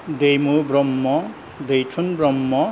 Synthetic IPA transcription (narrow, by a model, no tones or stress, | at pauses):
d̪ejmubɾʌmːʌ | d̪ʌjtʰunbrʌmːʌ